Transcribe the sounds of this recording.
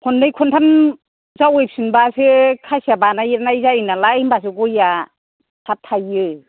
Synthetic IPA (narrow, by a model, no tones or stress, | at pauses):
kʰɔndɯjkʰɔntʰan | zawejp̚sɯnbasɯkʰasabanajɾnajzainalaimbas̬ɯɡɔja | tʰap̚tʰajɯ